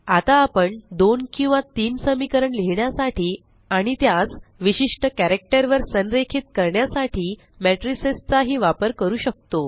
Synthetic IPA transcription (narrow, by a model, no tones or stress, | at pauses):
at̪aːpəɳd̪onkĩw̃ʋat̪iːnsəmikəɾəɳleɦɳjasaʈʰiː | aɽ̃it̪jat͡sʋiɕiʂʈəkæɾek̚ʈəɾʋəɾsənɾekʰiːt̪kəɾɳjasaʈʰiː | mæʈɾisest͡saɦiːʋapəɾkəɾuːɕək̚t̪o